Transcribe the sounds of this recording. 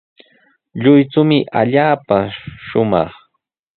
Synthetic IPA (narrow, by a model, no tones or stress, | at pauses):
ʎʊjt͡sʊmɪʔa̰ʎaːpaʃʊmɑ̰χ